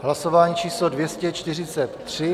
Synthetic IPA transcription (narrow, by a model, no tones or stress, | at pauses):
ɦlasovaːɲiːt͡ʃiːslodvjɛscɛt͡ʃt̪ɪr̝ɪt͡sɛt̪ːr̥ɪ